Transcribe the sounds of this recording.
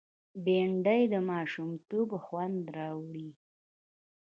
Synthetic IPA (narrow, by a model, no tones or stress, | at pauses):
beɳɖəjd̪əmɑʃumt̪obxwand̪ɾɑwɽi